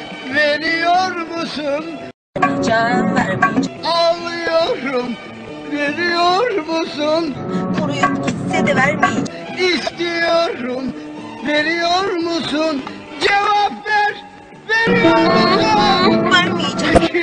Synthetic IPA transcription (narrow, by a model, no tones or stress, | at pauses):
ve̞ɾijoɾmusun | ɾmid͡ʒavæɾmijd͡ʒalɯjoɾum | veɾijoɾmusunkoɾujused̪ɛvæɾmijed͡ʒ | ist̪ijoɾum | ve̞ɾijoɾmusun | d͡ʒevapvæɾ | veɾijoɾm | væɾmijed͡ʒa